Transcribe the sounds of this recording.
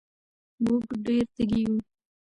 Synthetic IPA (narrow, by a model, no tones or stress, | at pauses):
muɡɖeɾt̪aɡiju